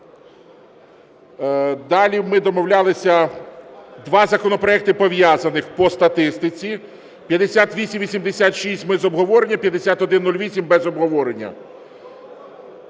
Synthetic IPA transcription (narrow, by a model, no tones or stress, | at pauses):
d̪ɑlʲimɪd̪ɔmɔwlʲalˠɪsʲɐ | d̪ʋɑzɐkɔnɔpɾɔɛk̚t̪ɪpɔʋjazɐnɪxpɔst̪ɐt̪ɪst̪ɪt͡sʲi | pʲjɐd̪esʲat̪ʋʲisʲimʋʲisʲimd̪esʲat̪ʃisʲtʲmɛzɔbɦɔʋɔɾenʲːɐpʲjɐd̪esʲat̪ɔd̪ɪnːulʲʋʲisʲimbɛzɔbɦɔʋɔɾenʲːɐ̰